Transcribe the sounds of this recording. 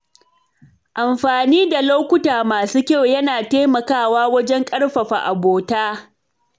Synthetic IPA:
ʔa˨mɸaː˨niː˦da˨loː˦kʷʊ˦taː˨maː˨suː˦kʲa˦˨wjɐ˦naː˨teː˦mɐ˨kaː˦˨waː˦wɐ˦d͡ʒɛ˦ŋkʼɐ˦ɽɸɐ˨ɸa̰˨ʔa˨boː˨taː˦

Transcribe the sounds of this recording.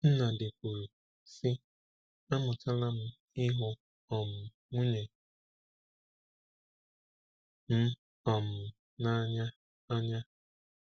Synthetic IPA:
n̩˦na˨dɪ˨kʷu˨ɾu˨ | sɪ˦ | a˦mʊ˨ta˦la˦m̩˦ | ɪ˦ɦʊ˦ | ɔ˨m̩˨ | ŋʷu˦ɲe˨ | m̩˦ | ɔ˨m̩˨ | na˦ɲa˦ | a˦ɲa˦

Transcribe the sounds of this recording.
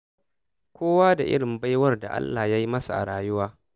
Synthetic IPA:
kʷʰoː˦waː˦da˨ʔɪ̰˦ɽɪ˨mba˦jwɐ˦rda˨ʔa̰˦lːaː˨ja˦ji˦mɐ˦sa˨ʔa̰˨ɽaː˨jʊ˦waː˦

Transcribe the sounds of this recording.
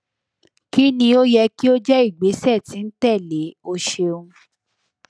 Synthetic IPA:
ki˦nĩ˧o˦jɛ˧ki˦o˦d͡ʒɛ˦i˦˨ɡ͡be˨˦sɛ˦˨ti˨n̩˦tɛ˦˨le˨˦o˧ʃe˧ũ˧

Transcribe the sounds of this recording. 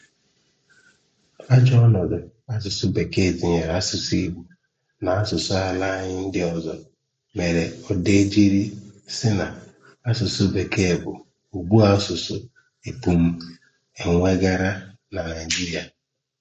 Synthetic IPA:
a˦d͡ʒɔ˦ɔ˦nɔ˨dʊ˨a˦s̬ʊ˨sʊ˦be˨ke˦˨di˨ɲe˨ɾa˦sʊ˨si˦bu˨ | na˨a˦sʊ˨sʊ˦a˨la˦ɲɪ˦n̩˦dɪ˦ɔ˦zɔ̰˨ | me˨ɾe˨ɔ˨de˦d͡ʒi˦ɾi˦sɪ˦na˨ | a˦sʊ˨sʊ˦be˨ke˦˨bʊ̰˨ | u˨ɡ͡bu˦a˦sʊ˨sʊ̰˦ | e˨pu˨m̩˦ | e˨ŋʷe˦ɡa˦ɾa˦ | na˨na˨ɪ˨d͡ʒi˦ɾi˨a˨

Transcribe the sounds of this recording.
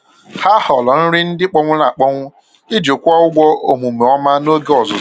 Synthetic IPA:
ha˦hɔ˨lɔ˨n̩˦ɾɪ˦n̩˦dɪ˦k͡pɔ˦ŋʷʊ˦la˨k͡pɔ˦ŋʷʊ˦ | i˦d͡ʒo˨kʷɔ˦ʊ˦ɡʷɔ˦o˨mu˨me˨ɔ˦ma˦no˦ɡe˦ɔ˨zʊ˨˦

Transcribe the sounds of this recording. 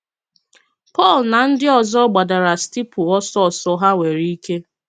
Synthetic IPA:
pɔ˦˨lna˨n̩˦dɪ˦ɔ˨zɔ˦ɡ͡ba˨da˨ɾa˨sti˦pʊ˨ɔ˦sɔ˦˨sɔ˦ɦa˦we˨ɾi˦i˦ke˦

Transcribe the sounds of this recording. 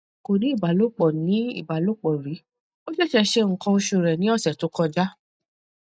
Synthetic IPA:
ko˨ɾi˨˦i˦˨ba˨˦lo˦k͡pɔ˨nĩ˨˦ḭ˦˨ba˨˦lo˦k͡pɔ˨ɾi˨˦ | o˦ʃɛ˦˨ʃɛ˧ʃe˧ŋ̩˨kɔ̃˧o˧ʃu˧˨ɾɛ˨nĩ˨˦ɔ˦˨sɛ˨to˨˦kɔ˧d͡ʒa˦

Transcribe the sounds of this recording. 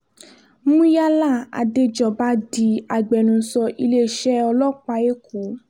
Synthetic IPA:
mũ˦ja˦la˦˨a̰˨de˧d͡ʒɔ˨ba˦di˧˦a˨ɡ͡bɛ˨nũ˨˧˦sɔ˧ʔi˧le˦˨ʃɛ˦ɔ˧lɔ˦k͡pa˧e˦ku˨˦

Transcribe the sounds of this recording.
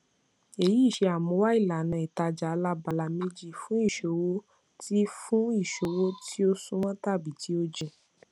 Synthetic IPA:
e˨ji˨˦˨ʃe˧a˨mɔ̃˧˦wa˦i˦˨la˨nã˨˧˨i˨ta˧d͡ʒa˨˧la˦ba˨la˧mĩ˦d͡ʒi˦˨fũ˦i˦˨ʃo˨wo˦ | ti˦fũ˦i˦˨ʃo˨wo˦tʰi˦o˦sũ˦mã˦ta˦˨bi˨ti˨˦o˦d͡ʒe˧

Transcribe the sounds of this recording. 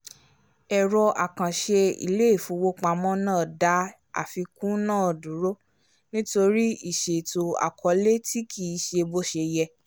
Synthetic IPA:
ɛ˨ɾɔ˧a˨kã˨ʃe˧ḭ˧˨le˦e˦˨fũ˨˧˦wo˦k͡pa˧mɔ̃˦nãː˦˨da˨˦ | a̰˨fi˧kũ˦nãː˦˨dũ˨˦ɾo˦ | nĩ˦to˧ɾi˦i˦˨ʃe˨to˨a̰˨kʰɔ˧˦le˦ti˦kʰi˦˨i˧ʃe˧bo˦ʃe˧jɛ˧

